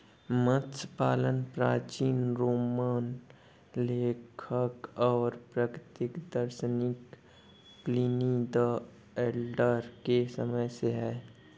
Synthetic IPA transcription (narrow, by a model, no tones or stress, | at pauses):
mə̃t̪spaːlənpɾaːt͡ʃiːnɾoːmaːn | leːkʰəkɔːɾpɾəkɾɪt̪ɪkd̪əɾʃənɪk | plinid̪ə | eːlɖəɾkesəməjseɦɛː